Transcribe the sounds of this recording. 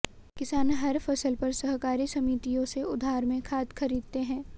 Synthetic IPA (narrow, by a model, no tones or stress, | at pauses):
kɪsaːnɦɐɾfɐsəlpɐɾsɐɦkaːɾisɐmiːt̪ijõseʊd̪ʱaːɾmẽkʰaːd̪kʰɐɾiːd̪̚t̪eɦɛ̃ː